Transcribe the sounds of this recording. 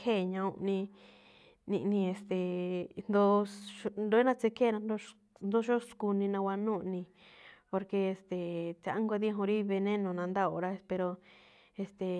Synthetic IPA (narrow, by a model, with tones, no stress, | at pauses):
kʰe˦˨ɲã˧ũ˧ʔnĩ˧ | nĩ˧ʔnĩ˧e˨st̪e˨nd̪o˦ʃond̪o˧˦e˦nã˦t͡se˧˦kʰe˦˨nã˧nd̪o˦ | nd̪o˦ʃo˦sku˧nĩ˧nã˧wʷa˧nũ˦˨˧nĩ˧ | po˧ɾke˧e˨st̪e˨t͡sa˨ʔa˦ŋɡʷa˧ði˦ɦũ˧ɾi˦˧βe˧nẽ˦nõ˨nã˧nd̪a˦o˧˨ɾa˦e˧pe˧ɾo˧ | e˧st̪e˨